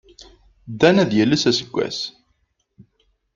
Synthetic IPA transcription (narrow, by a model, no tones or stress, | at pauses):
d̪ːænæðjælːəsæsə̥ɡʷːæ̰s